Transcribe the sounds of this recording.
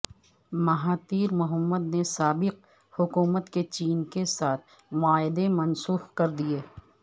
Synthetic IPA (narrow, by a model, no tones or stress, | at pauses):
mɐɦaːt̪iːɾmʊɦəmːəd̪nesaːbɪq | hʊkuːmət̪ket͡ʃiːnkesaːt̪̚ʰ | mʊaːɪd̪emɐnsuːxkɐɾd̪ieː